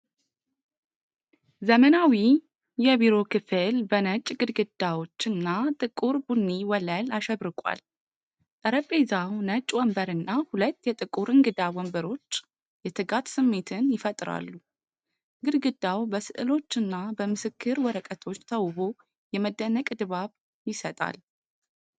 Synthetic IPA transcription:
zəmənawi | jɛbiɾo̞kʰɨfɨlbənət͡ʃʼːɡɨd̪ɡɨd̪̥awo̞t͡ʃːɨnːat̪ʼɨkʼuɾbunːiwɔləlaʃɛβɾɨkʼwa̰l | t̪ʼəɾəpʼːezawnət͡ʃʼːwɔmbəɾɨnːahulət̪ːjɛt̪ʼɨkʼuɾɨŋɡɨd̪awɔmbəɾo̞t͡ʃː | jɛt̪ʰɨɡat̪sɨmːe̞t̪ʰɨnjɪfət̪ʼɾa̰lːu | ɡɨd̪ɡɨd̪ːawbəsɨʔɨlo̞t͡ʃːɨnːabəmɨsɨkʰːɨɾwɔɾəkʼət̪ʰo̞t͡ʃːt̪ʰəwβo̞ | jɛməd̪ːənəkʼd̪ɨβaβ | jɪsət̪ʼa̰l

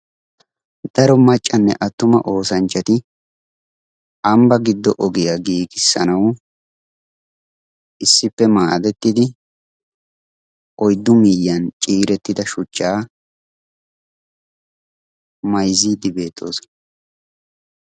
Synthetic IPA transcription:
d̪̥ɐɾɔmɐt͡ʃʼːɐnːɛ̰ʔɐt̪ːʊmɐʔo̞ːsɐnt͡ʃːɐt̪ɪ | ʔɐmbɐɡɪd̪ːɔʔɔɡɪjaɡiːɡɪsːɐ̰nɐw | ʔɪsːɪpːɛmaːd̪ɛt̪ːɪd̪ɪ | ʔɔjd̪ːʊmijːɐnt͡ʃʼiːɾɛt̪ːɪd̪ɐʃʊt͡ʃːaː | mɐjziːd̪ɪbe̞ːt̪ʰːo̞̰ːsɔ̥

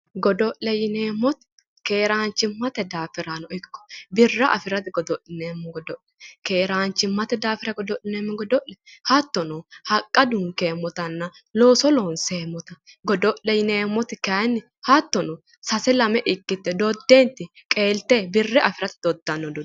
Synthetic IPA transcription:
ɡɔd̪ɔʔlɛjɪneːmːɔt̪ɪ̥ | ke̞ːɾaːnt͡ʃːɪmːɐt̪ɛd̪aːfɪɾanɔʔɪkːɔ̥bɪrːɐʔɐ̰fɪɾɐt̪ɪɡɔd̪ɔʔɪneːmːɛɡɔd̪ɔʔɛ̥ke̞ːɾaːnt͡ʃːɪmːɐt̪ɛd̪aːfɪɾɐɡɔd̪ɔʔɪneːmːɛɡɔd̪ɔʔlɛhɐt̪ːɔnɔhɐkʼːɐd̪ʊŋkeːmːɔt̪ɐnːɐ | loːsɔloːnseːmːɔt̪ɐ | ɡɔd̪ɔʔɛjɪneːmːɔt̪ɪkɐnːɪ | hɐt̪ːɔnɔ | sɐsɛlɐmɛʔɪkːɪt̪ːɛd̪ɔd̪ːent̪ɪ | kʼe̞ːlt̪eːbɪrːɛʔɐfɪɾɐt̪ɪd̪ɔd̪ːɐnːɔd̪ɔ

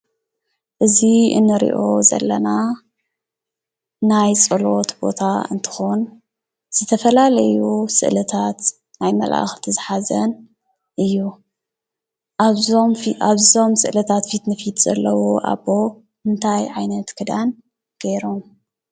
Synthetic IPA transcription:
ʔɨziɨ̰nːɨɾḭʔo̞zɐ̰lːɐna | najt͡sʼɨlo̞t̪bo̞t̪ʰa̰ɨ̰nt̪ʰɨ̥xon | z̥ɨt̪ʰɐfɐlalɐjusɨ̰ʔlɨt̪ʰat̪ | najmɐ̰lʔa̰xt̪ʰɨzɨħazɐn | ʔɨjːu | omfʔaβzo̞msɨ̰ʔlɐt̪ʰat̪fit̪nɨfit̪z̥ɐ̰lːɐwoʔa̰βo̞ | mɨnt̪ʰajʕajnɐt̪kʰɨd̪an | ɡ̥ejɾom

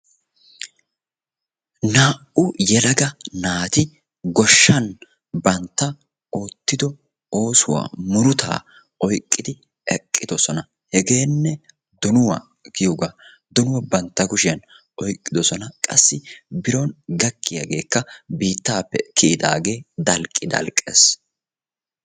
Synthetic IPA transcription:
naːʔʊjɛlɐɡɐnaːt̪ɪ | ɡɔʃːɐn | bɐnt̪ːɐ | ʔoːt̪ːɪd̪ɔ | o̞ːsʊwa̰ːmʊɾʊt̪ʰa̰ː | ʔɔjkʼːɪd̪ɪ | ɛkʼːɪd̪ɔsɔnɐ | hɛɡe̞ːnːɛ | d̪ɔnʊwa̰ | ɡɪjɔɡaː | d̪ɔnʊwɐbɐnt̪ːɐɡʊʃɪjɐn | ʔɔjkʼːɪd̪ɔsɔnɐkʼɐ̰sːɪbɪɾonɡɐkːɪjɐ̰ɡe̞ːkːɐbiːt̪ːaːpːɛkʰid̪a̰ːɡe̞ːd̪ɐlkʼːɪd̪ɐ̰lkʼːḛːs

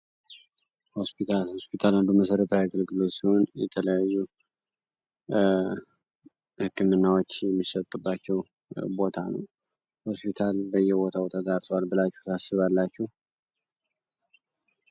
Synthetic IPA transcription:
ho̞spit̪ʰalho̞spit̪ʰaland̪uməs̬əɾət̪ʰawiaɡəlɡɨlo̞t̪siho̞njɛ̰t̪ʰələjajːu | hɨkʰːɨmɨnːawot͡ʃːjɛmːisət̪ʼːɨbːat͡ʃːɛw | bo̞t̪ʰanə̰w | ho̞spit̪ʰalbəjːɛbo̞t̪ʰabot̪ʰat̪aɾt̪ʰowalbɨlat͡ʃːɛht̪asːɨβalːat͡ʃːɛh

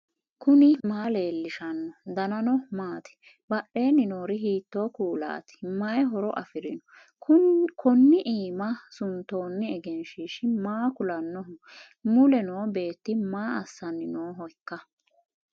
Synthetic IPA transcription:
kʊnɪmaːle̞ːlːɪʃɐnːɔd̪ɐnɐnɔmaːt̪ɪ̥ | bɐɗe̞ːnːɪnoːɾɪɦiːt̪ːoːkuːla̰ːt̪ɪ̥mɐjɛɦɔɾɔʔɐfɪɾɪnɔ | kʰɔnːɪʔiːmɐsʊnt̪o̞ːnːɪɛɡɛnʃiːʃɪmaːkʊlɐnːɔʊ | mʊlɛnoːbe̞ːt̪ːɪmaːɐsːɐnːɪnoːɦɔjkːɐ

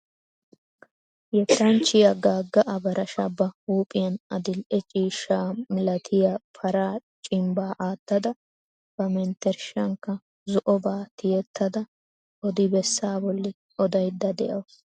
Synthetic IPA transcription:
jɛt̪ːɐnt͡ʃːɪjɐɡaːɡːɐʔɐbɐɾʔɐʃɐbːɐuːpʼɪjɐnɐd̪ɪlʔɛt͡ʃʼiːʃaːmɪlɐt̪ʰɪjafʰɐɾaːt͡ʃʼɪmbaːʔaːt̪ːɐd̪ɐ | b̥ɐmɛnt̪ɛɾʃɐŋkːɐ | zɔʔɔbaːt̪ɪjɛt̪ːɐd̪ɐ | ʔɔd̪ɪbɛsːaːbɔlːɪ | ɔd̪ɐjd̪ːɐd̪ɛʔɐws

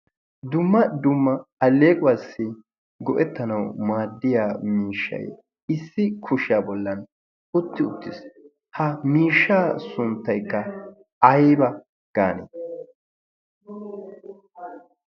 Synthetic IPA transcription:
d̪ʊmːɐd̪ʊmːɐɐlːeːkʼʊwasːɪ | ɡɔʔɛt̪ːɐnɐwmaːd̪ːɪjaːmiːʃːɐ̰j̰ | ɪsːɪkʰʊʃɪjaːbɔlːɐn | ʊt̪ːɪʊt̪ːɪs | hɐmiːʃːaːsʊnt̪ːɐjkːɐ | ɐjbɐ | ɡ̥aːnḛ

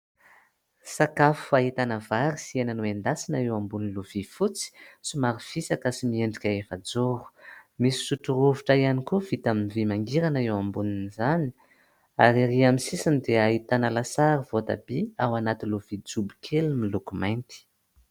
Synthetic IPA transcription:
sakafu̥aɦit̪anəvaɾisienanuend̪asinaewambuninluv̥ifut͡si̥sumaɾiv̥isakasimieɳɖ͡ʐikʲaefad͡zoɾu̥misi̥suʈ͡ʂuɾuviʈ͡ʂaianikuv̥it̪aminivimaŋɡiɾanaewambuninizani̥ | aɾiɾiamisisinid̪eaɦit̪anəlasaɾivot̪a̰biawanat̪iluvid͡zubi̥kʰelimilukumajnt̪i̥

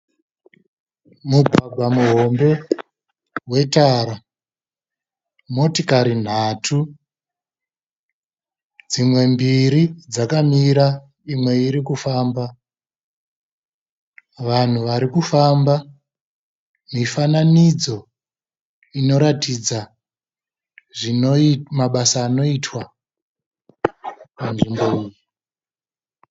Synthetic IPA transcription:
muɡʱaɡʱwamuɦo̞mbe̞ | we̞taɾa | mo̞tikaɾin̤aːtʰu | d͡zimwe̞mbiɾid͡zakamiɾa | imwe̞iɾikufaːmba | ʋan̤uʋaɾikufamba | mifananid͡zo̞ | ino̞ɾatid͡za | ʐinomaɓasaːno̞itwa | panʐimbouːji

